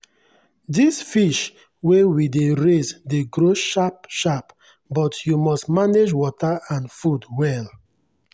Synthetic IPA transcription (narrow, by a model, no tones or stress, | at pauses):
disfiʃ | wewideɹesdeɡɹoʃap̚ʃap | bɔtjumɔstmaned͡ʒwɔtaãnfudwɛl